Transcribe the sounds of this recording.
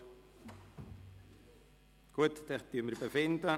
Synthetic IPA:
ɡ̥uət̪t̪ɛχt̪yəməɾbefɪnd̪ə

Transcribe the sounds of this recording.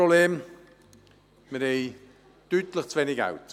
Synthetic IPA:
obleːm | məɾheɪ | t̪yːt̪ləχt͡svenɪɡa̰wt̪

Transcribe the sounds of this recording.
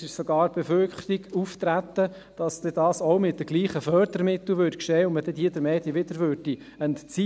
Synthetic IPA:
ɪʃsɔɡɑːɾb̥ɛfølχtiɡuft̪ɾæt̪ːə | d̥ɑsd̥̪ɛd̪ɑːsoʊmɪt̚dəɡ̥liːχəfœːɾd̪əɾmɪt̪əʋʏɾtkʃeːʊnməd̥ɛdiːd̪əɾmɛːd̥̪iʋɪd̪əɾʋøɾd̥i | ənt͡si

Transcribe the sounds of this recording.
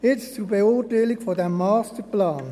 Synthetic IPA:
ɪtɪst͡subeʊːtaɪlɪkfɔdɛmɑːstəplaːn

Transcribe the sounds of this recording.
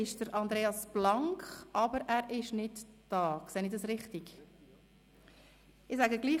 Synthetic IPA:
ɪʃd̥əɾɑndɾeːɑsb̥lɑŋkχʔɑbəɾæːɾɪʃnɪdd̥ɑːkseːnɪdɑsɾɪχtɪɡ | ɪsæɡəɡliː

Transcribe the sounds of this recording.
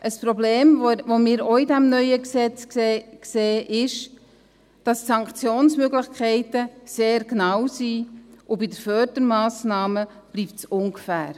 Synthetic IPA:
ʔəspɾɔbleːmʋomɪːɾoidæmnœʏəksɛt͡skːkseːʔɪʃ | d̥ɑssɑŋkχt͡sjoːnsmøɡlɪχkʰχɛɪtəseːɾknɑwsiːʔʊbidəɾfœːrd̥əɾmɑːsnɑːmə | b̥liːptsʊŋɡfæːɾ

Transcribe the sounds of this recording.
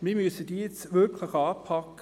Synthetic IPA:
mimyəsədiːet͡sʋʏɾkʰləχɑːpʰɑkː

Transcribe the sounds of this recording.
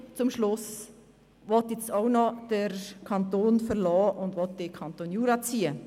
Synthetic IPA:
t͡sʊmʃlʊs | ʋɔt̪jɛt͡staʊnɔd̥əɾkʰɑnt̪oːnfəɾlɔːʔʊndʋɔt̚d̥ɪkʰɑntonjuːɾɑt͡siːə

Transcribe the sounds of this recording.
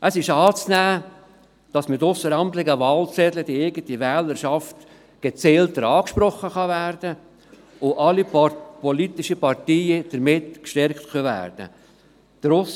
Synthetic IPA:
ʔəsɪʃɑːt͡snæː | d̥ɑsmɪtʊsəɾɑnt̪lɪɡəʋɑːlt͡sɛdlədieɪɡəntiʋɛːləɾʃɑft | ɡ̥et͡sɛːlt̪əɾɑːkʃpɾɔχːəχɑvæːɾd̥ə | ʊʔɑlipɔlitɪʃəpɑrtiːəd̥əɾmɪtkʃtɛɾktkʰœvæ̰ːɾd̥ə̰ | d̥əɾʊs

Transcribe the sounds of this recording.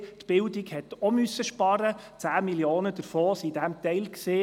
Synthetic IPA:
tb̥ɪldiɡhɛt̪ɔmysːəʃpɑɾət͡sæːmiljoːnəd̥əɾfoːsidæmt̪ɛɪlksɪ

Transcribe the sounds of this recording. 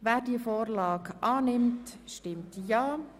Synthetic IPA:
væːɾdiəfoːrlɑːɡʔɑːnɪmtʃtɪmtjaː

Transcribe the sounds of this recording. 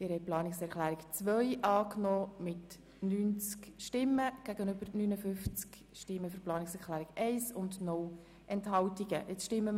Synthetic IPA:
d̥iːɾhɛjplɑːnɪksɛɾχlæːɾɪkt͡svœʏʔɑːknoːmɪt | nyːnt͡skʃtɪmːəɡ̥æɡənʏbəɾnynəfʏft͡sk | ʃtɪmːəfyɾplɑːnɪksɛɾχlæːɾɪɡɛɪsʊndnɔl | ʔɛnthɑltiɡəʔɪt͡sʃtɪmːə

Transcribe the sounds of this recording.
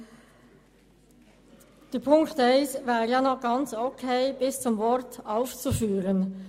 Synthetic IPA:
d̥ɛɐpʰʊŋktɛɪsvaːʁjɑnɔχɡ̥ɑnt͡sokʰeɪb̥ɪst͡sʊmvɔɾtaʊft͡sufyːʁən

